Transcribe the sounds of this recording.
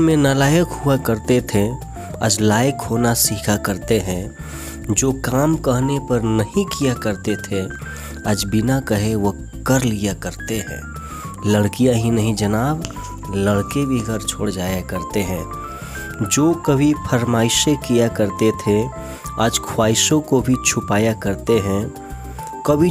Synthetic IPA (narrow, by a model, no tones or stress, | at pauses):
mẽnalaːjəkɦuakəɾt̪et̪ʰe | ə̰d͡ʒlaːjɪkɦoːnasiːkʰakəɾt̪eɦɛ̃ | d͡ʒoːkaːmkɐɦnepɐɾnɐɦĩkijakəɾt̪et̪ʰe | aːd͡ʒbɪnakəɦeʋɐ | kəɾlijakəɾt̪eɦɛ̰̃ː | lɐɽkijãɦinɐɦĩd͡ʒɐnaːb | ləɽkebʱiɡəɾt͡ʃʰoːɽd͡ʒaːjakɐɾt̪eɦɛ̃ː | d͡ʒoːkɐbʱipʰəɾmaːɪʃekijakɐɾt̪et̪ʰe | aːd͡ʒkʰwaːɪsõkobʱit͡ʃʰʊpaːjakɐɾt̪eɦɛ̃ | kɐbʱi